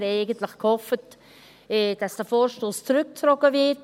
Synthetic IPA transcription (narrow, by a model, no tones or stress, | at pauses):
ɾaɪɡəntlɪχkhɔfət | ɛd̥asd̥əfoːɾʃtoːst͡sɾʏk̚tɾɔɡəvɪt